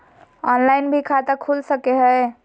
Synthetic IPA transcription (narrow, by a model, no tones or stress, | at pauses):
ɔnlaɪnbʱikʰat̪əkʰulsəkeɦəj